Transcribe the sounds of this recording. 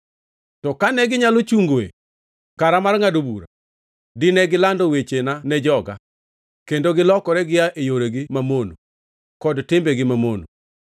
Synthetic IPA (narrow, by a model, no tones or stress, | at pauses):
tɔkanɛɡɪɲalot͡ʃuŋɡoḛ | kaɾamarŋadobuɾa | dɪnɛɡɪlandɔwet͡ʃenanɛd͡ʒɔɡa̰ | kendoɡɪlɔkɔɾɛɡɪjaʔejoɾeɡɪmamono̰ | kɔdtɪmbɛɡɪmamono